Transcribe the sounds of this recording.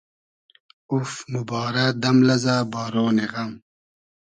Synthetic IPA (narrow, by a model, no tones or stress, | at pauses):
ufmubɑːɾɐd̪ɐmlɐzaːbaːɾoːneɣɐm